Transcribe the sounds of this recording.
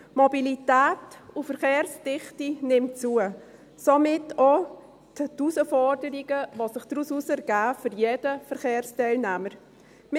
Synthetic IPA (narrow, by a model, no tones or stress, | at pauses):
mobilitæːtufəɾχeːrsd̥ɪχtinɪmt͡suə | somɪtʰo | ttusəfɔrdəɾiɡəʋosɪχd̥ɾususɛɾɡ̥æːfʏɾjedəfəɾχeːɾstɛɪlnæməɾ | mɪ